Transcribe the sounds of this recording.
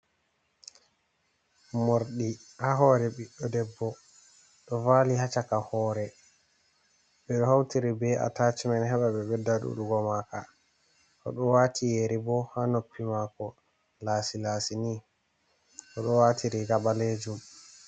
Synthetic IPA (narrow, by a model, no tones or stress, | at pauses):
moɾɗihaɦɔːɾɛɓiɗːɔdɛbːɔ | ɗɔvaːlihat͡ʃakahɔːɾɛ | ɓɛɗɔhawtiɾibɛa̰taːt͡ʃimɛnɦɛɓaɓɛɓɛdːaɗṵɗuɡɔmaka | ʔɔ̰ɗɔwaːtʰijeɾibɔhanopːimakɔ | laːsilaːsini | ʔɔɗɔwatʰiɾiɡabaled͡ʒum